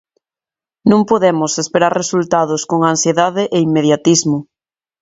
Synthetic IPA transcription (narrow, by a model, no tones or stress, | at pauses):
nũŋpoðemʊsespeɾaɾresult̪að̞ʊskoŋansjeðaðeʔeimmeðjat̪izmʊ